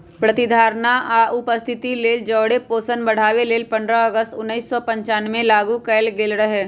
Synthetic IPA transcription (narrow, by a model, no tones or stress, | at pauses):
pɾət̪ɪd̪ʱaːɾnaʔaːʔʊpəst̪ʰɪt̪ileːld͡ʒɔːɽepoːsənbəɽ̤aːweleːlpə̃nd̪ɾaɐɡəst̪ʊnːiːsːɔpə̃ɲt͡ʃaːnmẽlaːɡukəlɡɪlɾəɦeː